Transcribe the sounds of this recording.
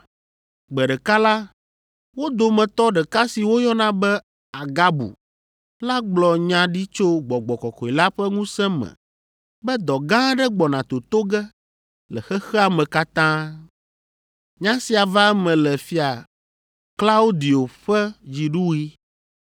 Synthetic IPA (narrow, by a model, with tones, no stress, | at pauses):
ɡ͡bɛ˨ɖɛ˨ka˦la˦ | wo˦d̪o˨mɛ̃˨t̪ɔ˦ɖɛ˨ka˦si˨wo˦jɔ˦nã˦bɛ˦ | a˨ɡa˦bṵ˨ | la˦ɡ͡blɔ˨ɲã˦ɖi˦t͡ʃo˦ɡ͡bɔ˨ɡ͡bɔ˨kɔ˨kɔ˨i˨la˦ɸɛ˦ŋũ˦sɛ̃˦mɛ̰˨ | bɛ˦d̪ɔ˨ɡã˦ɖɛ˦ɡ͡bɔ˨nã˨t̪o˨t̪o˦ɡɛ˦ | lɛ˨xɛ˦xɛ˦a˨mɛ̃˨ka˦t̪ã˦ | ɲã˦si˨a˨va˦ɛ˦mɛ̃˨lɛ˨fi˦a˨ | kla˦wo˦d̪i˨o˨ɸɛ˦d͡ʑi˨ɖu˦wi˦